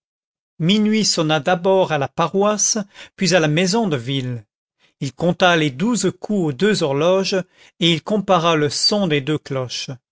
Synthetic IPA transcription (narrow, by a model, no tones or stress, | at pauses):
minɥisɔnad̪abɔʁalapaʁwaspɥizalamezɔ̃d̪əvil | ilkɔ̃t̪aled̪uzkʰuod̪øzɔʁlɔʒ | eilkɔ̃paʁaləsɔ̃d̪ed̪øklɔʃ